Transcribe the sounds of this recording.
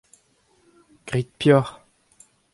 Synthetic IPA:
ɡ̥ʁit̪̚pjœʁ

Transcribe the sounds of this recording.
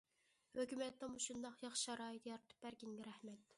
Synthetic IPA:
høkʲymɛt̪ːɛmuʃund̪ɑqjɑχʃɑɾɑːjɨt̪jɑɾt̪ʰɨ̥p̚bæɾkʲiŋɡʲɛɾæhmɛt̪

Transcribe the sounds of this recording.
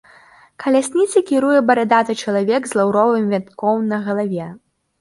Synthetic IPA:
kɐlʲasʲnʲit̪sʲɐkʲiɾujɛbɐɾɛd̪at̪ɐt͡ʃɐlˠavʲɛɡzlˠawɾɔvɨmvʲant̪kʰɔwnɐɣɐlˠavʲɛ

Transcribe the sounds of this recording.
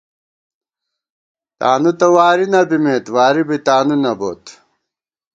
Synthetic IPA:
t̪a̰ːnut̪ɐwaːɾinɐbimeːt̪waːɾibit̪aːnunɐbo̰ːt̪

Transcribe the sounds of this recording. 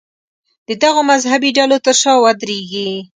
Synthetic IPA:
d̪̥əd̪aɣomazɦabiɖalot̪əɾʃɑwad̪ɾeɡi

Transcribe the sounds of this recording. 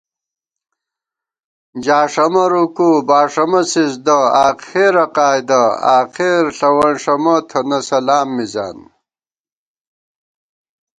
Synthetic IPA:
d͡ʑaːʂɐmɐɾukubaːʂɐmɐsisd̪ɐaːqeɾɐqaːjd̪ɐa̰ːqeɾɬɐwɐnʂɐmɐt̪ʰɐnɐsɐlaːmːiza̰ːn

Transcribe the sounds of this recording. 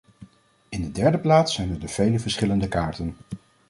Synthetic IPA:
ɪndədɛɹdəplaːtsɛjnədəv̥ejləvəɹsχɪləndəkaːɹtən

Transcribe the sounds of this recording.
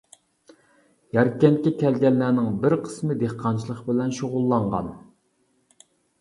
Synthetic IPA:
jɑɾkʲːɛnt̪̚kʲɛkʲʰɛlɡʲɛnːænɪŋbɪɾqʰə̥smɨd̪eχqʰɑnt͡ʃʰilˠəχbɪlɛnʃoʁʊlˠːɑɴʁɑ̰n

